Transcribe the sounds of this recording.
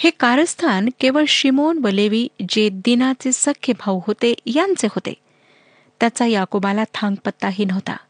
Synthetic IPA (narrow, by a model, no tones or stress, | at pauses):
hekaɾəst̪ʰankeʋəɭɕimonʋəleʋiːd͡ʑed̪inat͡sesəkʰjəbʱaʋɦot̪ejant͡sehot̪ḛ | t̪jat͡sajakobalat̪ʰãŋɡpət̪ːaɦiːnəʋt̪a̰